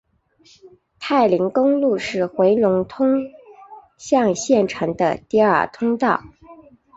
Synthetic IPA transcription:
t̪ʰa˥˩ɪli˧˥ŋkʊ˥ŋlu˥˧ʂɻ̩˥˩xwe˧˥ɪlʊ˧˥ŋt̪ʰʊ˥ŋ | ɕjɑ˥˧ŋɕjɛ˥˩nʈ͡ʂʰɤ˧˥ŋd̪ə̰˧t̪i˥˧ə̰˞˥˨˩t̪ʰʊ˥ŋt̪ɑ˥˩ʊ

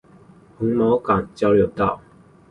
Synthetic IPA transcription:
hu˨˥˦ŋmo˨˥˦ʊkɑ˨˩ŋt͡ɕjɑ˥ʊljo˧˥ʊt̪ɑ˥˩ʊ

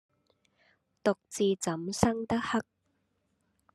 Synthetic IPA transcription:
t̪ʊ˨k̚t͡siː˨˧t͡sɐ˨˥msɐ˥ŋt̪ɐ˥k̚hɐ˥k̚

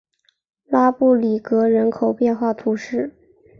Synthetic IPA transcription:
la˥pu˥˩li˨˩kɤ˧˥ɻə˧˥nkʰo˨˩ʊpjɛ˥˧nxwa˥˩t̪ʰu˧˥ʂɻ̩˥˩

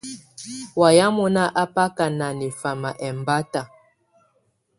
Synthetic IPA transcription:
wa˨ja˦mu˨na˦ʔa˦pa˦ka˨na˨ni˨fa˨ma˨ʔɛ˨m˨ba˦ta˨

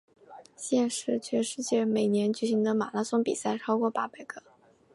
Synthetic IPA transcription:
ɕjɛ˥˧nʂɻ̩˥˧t͡ɕʰɥɛ˥˧ʂɻ̩˥˧t͡ɕjɛ˥˩me˨˩ɪnjɛ˧˥nt͡ɕy˨˩ɕi˧˥ŋd̪ə˧ma̰˨˩la˥sʊ˥ŋpḭ˨˩sa˥˩ɪʈ͡ʂʰɑ˥ʊkwɔ˥˧pa˥˩pa˨˩ɪkɤ˥˩

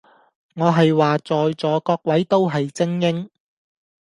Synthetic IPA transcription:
ŋɔː˨˧ɦɐ˨jwaː˨t͡sɔː˨jt͡sɔː˨˧kɔː˧k̚wɐ˨˥jt̪o˥wɦɐ˨jt͡sɪ˥ŋjɪ˥ŋ

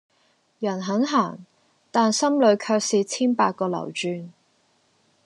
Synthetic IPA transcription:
jɐ˨˩nɦɐ˨˥nɦaː˨˩ŋ | t̪aː˨nsɐ˥mlɵ˨˧˥ɥkʰœː˧k̚siː˨˧t͡sʰiː˥npaː˧t̚kːɔː˧lɐ̰˨˩wt͡ʃyː˨˧n

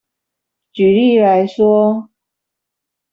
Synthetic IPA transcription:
t͡ɕy˨˩li˥˩˨la˧˥ɪʂwɔ˥

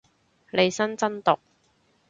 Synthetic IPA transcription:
le˨˧jsɐ˥nt͡sɐ˥nt̪ʊ˨k̚

